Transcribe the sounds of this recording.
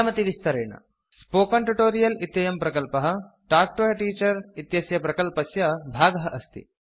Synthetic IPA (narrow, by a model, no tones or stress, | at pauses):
mɐt̪iʋist̪ɐɾeːɳɐ̰ | spoːkɐɳʈuʈoːɾijɐlit̪jɐjɐmpɾɐkɐlpɐɦɐ̆ | ʈaːk̚ʈoːjɐʈiːt͡ʃɐɾit̪jɐsjɐpɾɐkɐlpɐsjɐbʱaːɡɐɦɐʔɐst̪ḭ